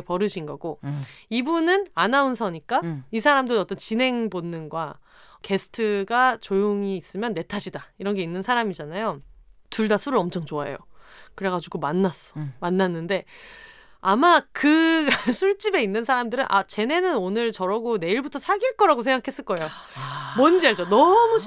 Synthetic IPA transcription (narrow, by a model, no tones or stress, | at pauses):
pʌɾɯɕʰinɡʌɡ̥oibunɯnanaunsʰʌɲik͈aisʰaɾamdoʌt͈ʌnt͡ɕinɦe̞ŋbonːɯnɡwa | ke̞sʰɯ̥tʰɯɡat͡ɕojoŋiːs͈ɯmjʌnːe̞tʰaɕʰidaiɾʌnɡe̞inːɯnsʰaɾamid͡ʑanajotuɭdasʰuɾɯɭʌmt͡ɕʰʌŋt͡ɕoaḛjo̰kɯɾe̞ɡad͡ʑuɡomanːas͈ʌ̥manːanːɯnde̞ | amakɯɡasʰuɭt͡ɕ͈ibe̞inːɯnsʰaɾamdɯɾɯnʔa̰t͡ɕe̞ne̞nɯnonɯɭt͡ɕʌɾʌɡone̞iɭbutʰʌsʰaɡiɭk͈ʌɾaɡosʰe̞ŋɡakʰe̞s͈ɯɭk͈ʌejo | mʌnd͡ʑiaɭt͡ɕonʌmu